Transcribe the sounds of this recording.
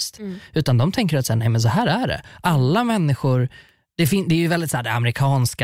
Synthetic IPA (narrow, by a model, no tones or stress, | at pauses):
st̪ʉ̟ːt̪and̪ɔmt̪ʰɛŋk̬əɾat̪sæːɳɛɪmɛns̬ɔɦæːɾæɖɛ̰ʔalːamɛnːɪɧʊɾ | d̪̥ɛfɪnd̪ɛːɾjɵvɛld̪ɪt̪saæːɖɛa̰mɛɾɪkʰɑːnska